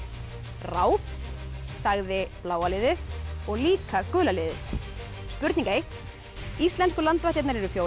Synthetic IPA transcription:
raːwθ | saɣðɪplaːwalɪðɪθɔɣliːkakœːlalɪːðɪθ | spʏɾt̪niŋkaejht̪ | ist̪lɛnskʏlant̪vaht̪jaɛt̪naɾɛɾʏfjoːw

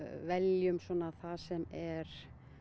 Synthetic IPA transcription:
vɛljʏmswɔnaθasɛmɛɾ̥

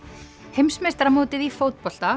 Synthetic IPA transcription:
hejmsmɛst̪ɾamoːwt̪ɪðifowt̪̚pɔl̥t̪a

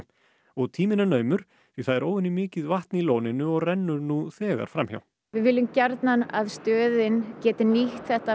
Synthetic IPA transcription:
ɔɣt̪ʰiːmɪnanœːɥmʏɾ̥ | θiθaðɛɾoːwðɪnimɪːcɪðvaht̪niloːwnɪnʏɔɣrɛnːʏɾnuθɛːɣa̰ɾ̥fɾamçja̰w̪ | vɪðvɪlːʏmcaɾt̪nana̰ðst̪œːðɪncɛːt̪ɪniht̪θɛht̪a

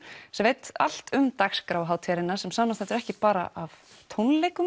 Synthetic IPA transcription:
sɛmveːjt̪a̰l̥t̪ʏmt̪akskɾaːwɦaːwt̪ʰɛɾɪnaɾ̥sɛmsaːmast̪ɛnt̪ʏɾɛhcɪpaːɾa̰ʔav | t̪ʰownleːjkʏm

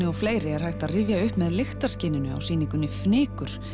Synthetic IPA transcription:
ɪɔfleːjɾɪɛɾ̥hajxt̪aðrɪːvjaʏhpmɛðlext̪ḁscɪːnɪnʏa̰wsiːniŋkʏnːʏfnɪːkʏɾ̥

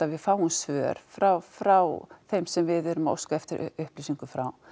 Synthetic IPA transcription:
avɪðfaːwʏnsvœːɾ̥fɾawfɾawθejmsɛmvɪðɛɾʏmao̰wskaɛft̪ɪɾʔʏ̰ʏhplisiŋkʏfɾa̰w

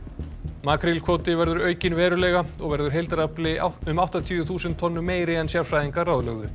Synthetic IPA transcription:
maːkʰɾɪlkʰvoːwt̪ɪvɛɾðʏɾœːɥcɪnvɛːɾʏlɛːɣaɔɣvɛɾðʏɾ̥ɦejlt̪ɾaplɪʏmawht̪at̪ʰiʏθuːsɛnt̪ʰːɔnːʏmeːjɾɪɛnsjaɾ̥fɾajðiŋkarawðlœɣðʏ

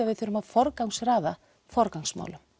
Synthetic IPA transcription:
aðvɪðθʏɾʏmaðfɔɾkawŋsraːða | fɔɾkawŋsma̰ːwlʏm

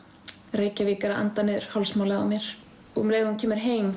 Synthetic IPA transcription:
reːjcaviːkaɾaʔa̰nt̪anɪðʏɾ̥hɔwlsmaːwlaða̰wmjɛɾ̥ | ɔɣmleːjɣðuncʰɛːmɪɾ̥ɦeːjm

